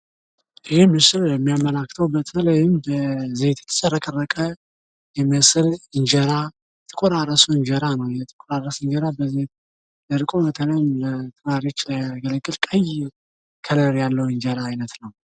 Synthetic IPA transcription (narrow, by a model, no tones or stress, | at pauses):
ʔɨhemɨsɨljɛmːijamːəlakːt̪ʰəwbət̪ʰələjɪmbəzeht̪ʰɛ̥t̪ʰʼːə̥t͡ʃʼəɾəkʼərːəkʼə | jɛmːɨsɨlɨnd͡ʒəɾa | t̪ʰɨ̥kʷʼoɾarəsuɨɲd͡ʒəɾanəwjɛt̪ʰɨkʼoɾarːəsɨnd͡ʒəɾabəzet̪ | dəɾɨkʼomət̪ʰələjɪmət̪ʰɨɾaɾjot͡ʃːəɡələɡʼɨlkʼəj | kʰələɾjalːəwɨnd͡ʒəɾaːjnət̪nəw